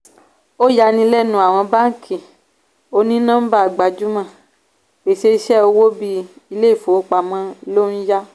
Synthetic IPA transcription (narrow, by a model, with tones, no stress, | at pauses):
o˦ja˧nĩ˧lɛ˦˨nũ˦a˨w̃ɔ̃˧ba˦ŋ̩˦kʰĩ˨ | o˧nĩ˦nã˦m̩˦ba˦a˨ɡ͡ba˨d͡ʒu˦mã˦˨ | e˨ʃe˧i˧˦ʃɛ˦o˧wo˦bi˧˦i˧le˦i˦˨fo˨o˦k͡pa˧mã˦lo˦n̩˦ja˦